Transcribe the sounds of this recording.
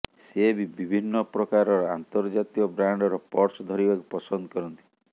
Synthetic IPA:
sebibibʱinːɔpɾɔkaɾɔɾɔant̪ɔɾd͡ʒat̪iɔbɾaɳɖɔɾɔpɔɾsɔd̪ʱɔɾibakupɔsɔnd̪ɔkɔɾɔnt̪i̥

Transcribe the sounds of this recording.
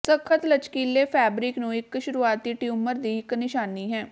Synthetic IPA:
səkʰət̪lət͡ʃkiːleːpʰɛːbɾɪknũːɪkːʃʊɾuːaːt̪iːʈjuːməɾd̪iːɪknɪʃaːniːɦɛ̃ː

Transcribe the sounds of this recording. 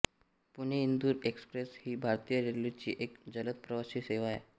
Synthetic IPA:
puɳeind̪uːɾekspɾeshiːbʱaɾt̪ijəɾelit͡ɕḭːʔekd͡zələt̪̚pɾəʋasiːseʋaj

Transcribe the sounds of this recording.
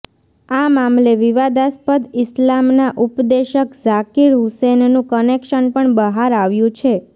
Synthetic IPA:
amamleʋiʋad̪aspəd̪ɪslamnaʔupd̪eʃəkzakiɾɦusennũkənekʃənpəɳbəɦaɾaʋjũt͡ʃʰe

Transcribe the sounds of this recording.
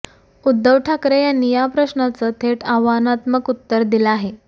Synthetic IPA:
ud̪ːəʋʈʰakɾejanijapɾəɕɳat͡sət̪ʰeʈaʋanat̪məkut̪ːəɾd̪iləaɦe

